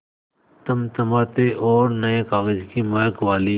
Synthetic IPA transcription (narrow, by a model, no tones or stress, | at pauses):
t̪ɐmt̪ɐmaːt̪eʔɔːɾnɐẽkaːɣəd͡ʒkimaːjkʋaːli